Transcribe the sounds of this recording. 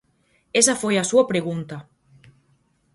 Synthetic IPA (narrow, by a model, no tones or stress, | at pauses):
esɐfojasuɐpɾeɣ̞unt̪ɐ